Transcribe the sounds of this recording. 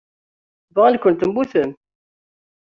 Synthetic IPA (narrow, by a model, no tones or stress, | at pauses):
vəʁlkʷənt̪əmbuθəm